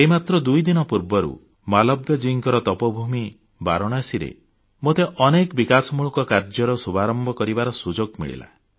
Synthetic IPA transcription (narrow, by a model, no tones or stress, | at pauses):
eɦimat̪ɾɔd̪ujd̪inɔpuɾbɔɾṵ | malɔbjɔd͡ʒiŋkɔɾɔt̪ɔpɔbʱumi | ba̰ɾɔɽ̃asiɾḛ | mot̪eʔɔnekɔbikasɔmuɭɔkɔkaɾd͡ʒɔɾɔsubʱaɾɔmbɔkɔɾibaɾɔsud͡ʒoɡmḭɭḭla̰